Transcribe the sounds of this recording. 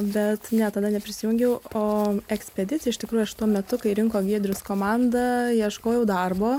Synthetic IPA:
bʲɛt̪nʲɛt̪ɐd̪ɐnʲɛpʲɾʲɪsʲɪjʊŋʲɡʲɛʊoːɛksʲpʲɛd̪ʲɪtt͡sʲɪjɛɪʃʲt̪ʲɪkɾuːjʊɐʃt̪uɔmʲɛt̪ʊkɐɪɾʲɪŋkoːɡʲiɛd̪ʲɾʲʊskoːmɑnd̪ɐjiɛʃkoːjɛʊd̪ɐrboː

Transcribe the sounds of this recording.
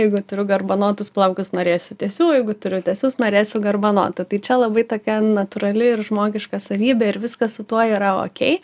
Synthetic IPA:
jɛɪɡʊt̪ʊɾʲʊɡɐrbɐnoːt̪ʊsplˠɐʊkʲʊsnoːɾʲeːsʲʊtʲɛsʲuːjɛɪɡʊt̪ʊɾʲʊt̪ʲɛsʲʊsnoːɾʲeːsʲʊɡɐrbɐno̰ːt̪ʊt̪ɐɪt͡ʃʲɛlˠɐbɐɪt̪oːkʲɛnɐt̪ʊɾɐlʲɪɪrʒmoːɡʲɪʃkɐsɐʋʲiːbʲɛɪɾʋʲɪskɐssʊt̪uɔiːɾɐo̰ːkʲɛɪ

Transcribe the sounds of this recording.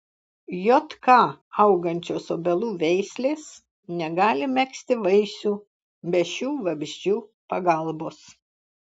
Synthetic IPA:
joːt̪kɑːɐʊɡɐnʲt͡ʃʲoːsoːbʲɛlˠuːʋʲɛɪsʲlʲeːs | nʲɛɡɑːlʲɪmʲɛksʲt̪ʲɪʋɐɪsʲuː | bʲɛʃʲuːʋɐbʲʒʲd͡ʒʲuːpɐɡɐlˠboːs

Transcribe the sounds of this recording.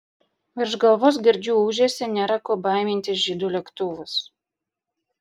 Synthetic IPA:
ʋʲɪɾʒɡɐlˠʋoːs̬ɡʲɪɾʲd͡ʒʲuːuːʒʲeːsʲɛnʲɛːɾɐkoːbɑˑɪmʲɪnʲt̪ʲɪsʒʲiːd̪uːlʲɛkt̪ʊʋʊs

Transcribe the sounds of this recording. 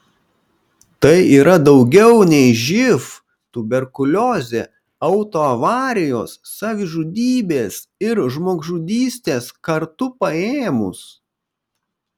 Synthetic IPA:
t̪ɐɪiːɾɐd̪ɒʊɡʲɛʊnʲɛɪʒʲɪf | t̪ʊbʲɛɾkʊlʲoːzʲe | ɐʊt̪oːɐʋɑːɾʲɪjoːsːɑːʋʲɪʒud̪ʲiːbʲeːsɪɾʒmoːɡʒud̪ʲiːsʲt̪ʲeːskɐɾt̪ʊpɐeːmʊ̰s

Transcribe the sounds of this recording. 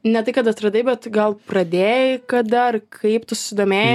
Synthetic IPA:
nʲɛt̪ɐɪkɐt̪ɐt̪ɾɐd̪ɐɪbʲɛt̪ɡɐlˠprɐd̪ʲeːjɪkɐd̪ɐrkʰɐɪpt̪ʊsʊ̥sʲɪd̪oːmʲeːj

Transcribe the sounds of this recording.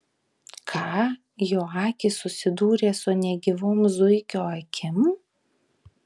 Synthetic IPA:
kʰɑː | joːɑːkʲɪsʊsʲɪd̪uːɾʲeːsʊnʲɛɡʲɪʋoːmzʊɪkʲoːɐkʲʰɪm

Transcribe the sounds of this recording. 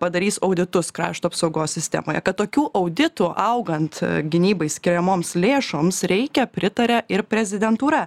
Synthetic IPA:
pɐd̪ɐɾʲiːsɐʊd̪ʲɪt̪ʊskɾɑ̰ːʃt̪uːɐpsɐʊɡoːsʲsʲɪsʲt̪ʲɛ̰ːmoːjɛ̰kɐt̪t̪ːoːkʲuːʔɐʊd̪ʲɪt̪ʊʔɐʊɡɐnt̪ɡʲɪnʲiːbɐɪsʲkʲɪɾʲɛmoːmslʲeːʃoːmsɾʲɛɪkʲɛpʲɾʲɪt̪ɐɾʲɛʔɪɾpʲɾʲɛzʲɪd̪ʲɛnt̪uːɾɐ

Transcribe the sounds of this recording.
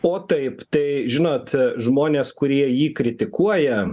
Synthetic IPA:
oːt̪ɐɪpt̪ɐɪʒʲɪnoːt̪ʒmoːnʲeːskʊɾʲiɛjiːkɾʲɪt̪ʲɪkuɔjɛ

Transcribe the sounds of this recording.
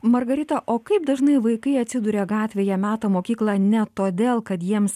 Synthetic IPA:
mɐɾɡɐɾʲɪt̪ɐʔoːkɐɪp̚d̪ɐʒnɐɪʋɐɪkɐɪɐt̪ʲsʲɪd̪ʊɾʲeːɡɑːt̪ʲʋʲeːjɛmʲæːt̪ɐmoːkʲiːklˠɑːnʲɛt̪oːd̪ʲeːlˠkɐt̪jiɛms

